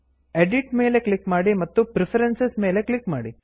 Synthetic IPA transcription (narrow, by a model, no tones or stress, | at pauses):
eɖiʈme̞ːleklikmaːɽimɐt̪ːupɾipʰɐɾensesmeːleklikmaːɽi